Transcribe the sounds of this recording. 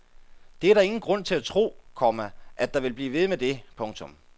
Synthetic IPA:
d̥eæɐɾɑ̈e̝ŋn̩ɡ̥ʁɔ̽n̰t͡sʰe̝læt͡sʰʁo̝̰ːkʰɒmæʔæd̥ɑ̈ʋe̝lb̥liːʋe̝ð̞ˠmed̥e̝pʰɔ̽ŋt͡sʰɔ̽m

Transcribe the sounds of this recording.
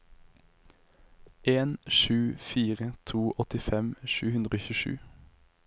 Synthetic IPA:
ʔeːnʃʉːfiːʁət̪ʰuːʔɔt̪ɪfɛmʃʉːhʉnd̪ʁoːçʉʃʉ̰ː

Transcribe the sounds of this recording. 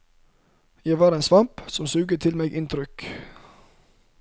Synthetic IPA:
jæɪʋɑːɾensʋɑmpsɔmsʉːɡət̪ʰɪlmeːɡʔɪnt̪ʰɾʏk

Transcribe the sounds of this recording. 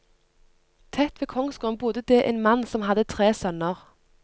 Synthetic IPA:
t̪ʰɛt̪ʋeːkʰɔŋsɡʊmbʊd̪əd̪eːʔeːnmɑnːsɔmɦɑd̪ət̪ʰʁeːsœnəʁ

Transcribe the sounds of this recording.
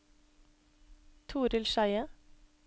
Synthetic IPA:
t̪ʰuːɾɪlʃæɪə

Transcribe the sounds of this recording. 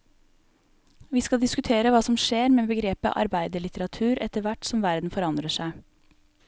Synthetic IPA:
ʋiːskɑld̪ɪskʉt̪ʰeːɾəʋɑːsɔmʃeːɾmeːbəɡɾeːpə̰ʔɑ̰ɾbæɪd̪əɭɪt̪əɾɑt̪ʰʉːɾʔɛt̪əʋæʈsɔmʋæɾd̪n̩fɔɾɑnd̪ɾəʃæɪ

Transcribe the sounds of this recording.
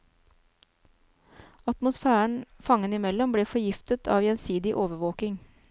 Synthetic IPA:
ɑt̪mʊsfæːəɳfɑŋənɪmɛlɔmbleːfɔjɪft̪ət̪ʰɑ̰ːʋjɛnsiːd̪ɪʔoːʋəʋoːkɪŋ

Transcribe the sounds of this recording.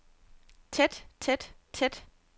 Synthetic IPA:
t͡sʰed̥t͡sʰed̥t͡sʰed̥

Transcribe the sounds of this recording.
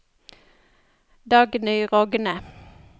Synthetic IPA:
d̪ɑːɡnyːʁɔɡənə

